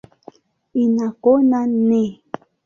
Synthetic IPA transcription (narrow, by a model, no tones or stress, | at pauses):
inakonane